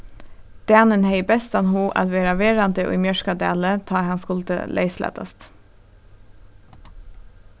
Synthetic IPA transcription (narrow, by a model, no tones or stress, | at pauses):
d̪̥æːnənheɪbɛst̪ɑnhuːʔɑ̰t̪ʋeːɾɑʋeːɾɑnd̪əʔo̰ːimjœʃkɑd̪ḛːlət̪ʰɑːɾhɑnskʊld̪ə̰lʔḛɪslæ̰ːt̪ɑ̰st̪